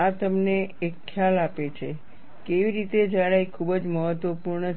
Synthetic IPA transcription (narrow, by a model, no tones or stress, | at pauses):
at̪əmneekʰːjalapet͡ʃʰe | keʋiɾit̪ed͡ʒaɭaikʰubəd͡ʒməɦət̪ʋəpuɾɳə